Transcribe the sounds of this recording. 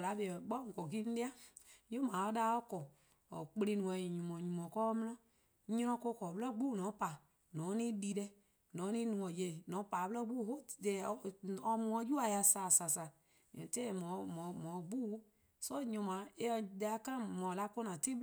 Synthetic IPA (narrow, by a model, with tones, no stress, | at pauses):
la˨˦be˨ɡ͡bɔ˦ŋ˨kɔ˨ɡi˦n̩˦e˦a˦ | jo˦mãː˨˦ɔ˦daː˦ɔ˦kɔ˨ | ɔ˨k͡pe˧lĩ˧nũ˨ɛ̃˧˨ɲũ˨mɔ̃˨ɲũ˨mɔ̃˨kɔ˦mĩ˦nã˦ | ɲɔ̃˧ɾɔ̃˧ko˧˦kɔ˨bə˦ɔ˦ɡ͡buː˦˨nɔ̃˨˦pa˨ | nɔ̃˨˦nĩ˦di˧˦dɛ˧ | nɔ̃ː˨˦nĩ˦nũ˨˧ɔ̃˨je˧˨nɔ̃˨˦paː˨bə˦lɔ˦ɡ͡bu˦˨ho˦dɛ˨˦ɔ˧mũ˧ɔ̃˧˦d͡ʒu˦a˨ja˧saː˨sa˨sa˨ | te˦˨mɔ̃˨˦mɔ̃˨mɔ̃˨ɡ͡buː˦ | sɔ˦ɲɔ̃˨˧˦mã˨˦e˧de˧a˧ka˦˨mɔ̃˨la˧ko˦nã˨te˦